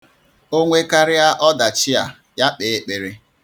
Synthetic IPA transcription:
o˦ŋʷe˦ka˦ɾɪ˦a˦ʔɔ˦da˨t͡ʃɪ˦a̰˨ | ja˦k͡pe˨˦k͡pe˨ɾe˦

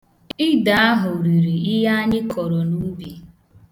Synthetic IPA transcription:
ɪ˦da˨a˦ɦʊ˨ɾi˨ɾi˨i˦ɦa˦ɲɪ˦kʰɔ˨ɾɔ˨nu˦bi˨

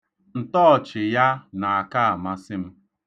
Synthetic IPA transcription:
n̩˨tɔ˦˨t͡ʃɪ˨ja˦na˨a˨ka˦a˨ma˦sɪ˦m̩˦

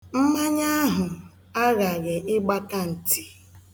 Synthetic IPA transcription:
m̩˦ma˦ɲa˦a˦ɦʊ˨ | a˦ɣa˨ɣɪ˨ʔɪ˦ɡ͡ba˦ka˦n̩˨ti̥˨

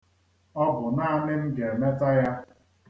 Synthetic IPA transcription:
ɔ˦bʊ˨na˦a˦nɪ˦m̩˦ɡe˨me˦ta˦ja˦

